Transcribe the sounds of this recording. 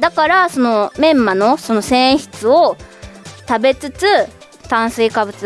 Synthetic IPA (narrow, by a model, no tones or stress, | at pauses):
d̪akaɾaso̞no̞mẽ̞mːano̞so̞no̞sẽ̞ɰ̃çi̥t͡sɨo | t̪abe̞t͡sɨt͡sɨ | t̪ãɰ̃sɨikabɯ̟t͡sɨ